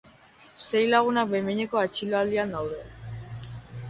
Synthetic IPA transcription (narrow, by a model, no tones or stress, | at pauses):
se̞jlaɣ̞unabemeɲeko̞at͡ʃiloald̪iand̪awðe̞